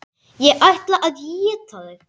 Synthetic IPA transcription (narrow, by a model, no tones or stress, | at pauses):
jɛʔajht̪laʔaðjiɛt̪ʰaðʏ